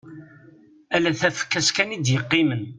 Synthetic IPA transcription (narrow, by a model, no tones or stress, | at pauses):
ælæθæfə̥kːæskænid̪jəqːimən